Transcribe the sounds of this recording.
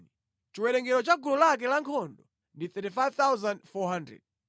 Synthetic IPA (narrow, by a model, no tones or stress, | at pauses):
i | t͡ʃiwɛɗɛŋɡɛɾɔt͡ʃaɡulɔlak̬ɛlaŋkʰɔndɔ | ndiθɛtifajvt̪awzandfɔɦandɾɛ̰d̚